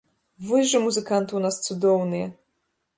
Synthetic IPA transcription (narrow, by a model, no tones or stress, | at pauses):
vɨʐɨmuzɨkant̪uwnast̪sud̪ɔwnɨjɛ